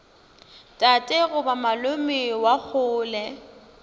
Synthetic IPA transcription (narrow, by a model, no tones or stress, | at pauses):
tʼatʼeɣʊbamalʊmɪwak͡xʰʊːlɛ